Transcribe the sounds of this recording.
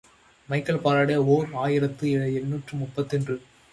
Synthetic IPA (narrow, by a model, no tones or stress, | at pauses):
mɐɪkːɐɭpaːɾaːɽɐoːɾaːjɪɾɐt̪ːɯɛɻɐɛɳːuːʈrɯmʊpːɐt̪ːɛndrɯ